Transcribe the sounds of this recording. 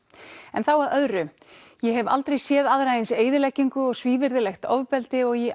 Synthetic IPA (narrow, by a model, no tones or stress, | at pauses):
ɛnθawaðœðɾʏ | jɛɦɛva̰lt̪ɾejsjɛːðaðɾajɪnseːjðɪlɛcːiŋkʏɔɣsviːvɪɾðɪlɛxt̪ɔ̰wvpɛlt̪ɪɔɣjɛʔ